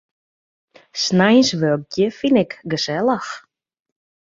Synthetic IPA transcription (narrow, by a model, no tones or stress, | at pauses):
snajnsʋøk̚tjəfinɪkɡəsɛlˠəx